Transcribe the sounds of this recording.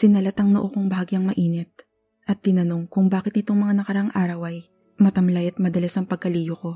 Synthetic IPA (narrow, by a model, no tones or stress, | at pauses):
sɪnɐlɐt̪ɐŋnoʔokoŋbɐhaːɡiɐŋmɐʔiːnɛt̪̚ | ʔɐt̪ːɪnɐno̞ŋkʊŋbaːkɪt̪nɪt̪o̞ŋmɐŋanɐkɐɾɐʔaŋʔaːɾɐwɐj | mɐt̪ɐmlajɐt̪̚mɐd̪ɐlɐsɐŋpɐɡ̚kːɐliːjoko̞